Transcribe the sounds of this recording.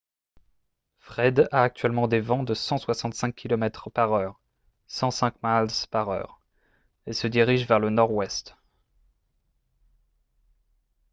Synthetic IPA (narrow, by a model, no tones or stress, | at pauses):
fχɛd̪aːk̚t̪ɥɛlmɑ̃d̪evɑ̃d̪əsɑ̃swasɑ̃t̪sɛ̃kʲʰːilɔmɛt̪χpaʁœːʁ | sɑ̃sɛ̃kmalzpaʁœ̰ːʁ | esəd̪iʁiʒvɛʁlənɔʁwɛst̪